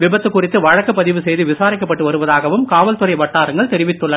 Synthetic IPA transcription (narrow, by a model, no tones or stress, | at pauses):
ʋɪbɐt̪ːɯkːʊrɪt̪ːɯʋɐɻɐkːɐpːɐðɪʋɯsɛjðɯʋɪsaːɾɪkːɐpːɐʈːɯʋɐɾɯʋɐðaːɣɐʋɯmkaːʋɐlt̪ɯɾɐɪʋɐʈːaːɾɐŋɡɐɭt̪ɛɾɪʋɪt̪ːɯɭːɐ